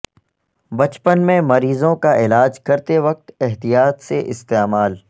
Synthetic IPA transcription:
bɐt͡ʃpənmẽmɐɾiːzõkaɪlaːd͡ʒkɐɾt̪eʋɐq̚t̪ɪɦt̪ijaːt̪seʔɪst̪eːmaːl

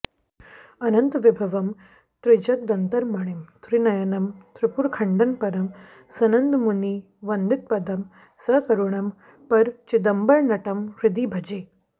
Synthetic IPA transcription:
ɐnɐnt̪ʋibʱɐʋɐm | t̪ɾid͡ʒɐk̚d̪ɐnt̪ɐɾmaɽ̃imt̪ɾinɐjɐnɐmt̪ɾipuɾkʰɐɳɖɐnpɐɾɐm | sɐnɐnd̪muni | ʋɐnd̪ɪt̪̚pɐd̪ɐm | sɐkɐɾuɳ̃ɐm | pɐɾt͡ʃid̪ɐmbɐɭnɐʈɐmɾid̪ibʱɐd͡ʒeː

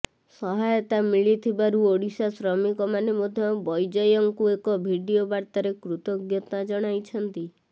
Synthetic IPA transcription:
sɔɦajɔt̪amiɭit̪ʰibaɾuoɽisasɾɔmikɔmanemod̪ʱjɔbɔjd͡ʒɔjɔŋkuekɔbʱiɖiobaɾt̪aɾekɾut̪ɔɡjɔt̪nad͡ʒɔɽ̃ajt͡ʃʰɔnt̪i

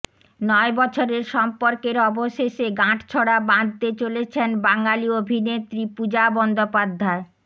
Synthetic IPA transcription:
nɔebɔt͡ɕʰoɾeɾʃɔmpoɾkeɾɔboʃeʃeɡãʈt͡ɕʰoɽabãd̪t̪et͡ɕolet͡ɕʰenbaŋaliobʱinet̪ːɾipud͡ʑabɔnd̪opad̪ʱːae

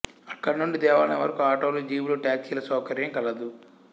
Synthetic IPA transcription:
ɐkːɐɽinuɳɖid̪ɛːʋaːɐnɐʋɐ̰ɾɐkuaːʈoːluːd͡ʒiːʋuloːʈjaːksiːlɐsɐːkɐɾjɐŋkɐlɐd̪u

